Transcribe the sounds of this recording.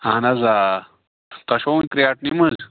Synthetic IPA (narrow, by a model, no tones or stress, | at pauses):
anɐza | t̪ɐʃownkɾijaʈnimɐz